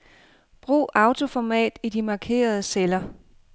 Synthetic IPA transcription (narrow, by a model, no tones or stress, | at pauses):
b̥ʁṵːʔɑ̈ʊt͡sʰo̝fɒmɛ̰ːd̥id̥imɑ̈kʰe̝̰ːɐð̞ˠəselɐ